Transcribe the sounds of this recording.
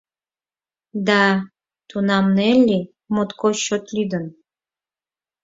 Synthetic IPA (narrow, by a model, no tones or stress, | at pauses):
d̪ɑ | t̪unɑmnelʲːi | mot̪koɕot̪lʲyd̪ən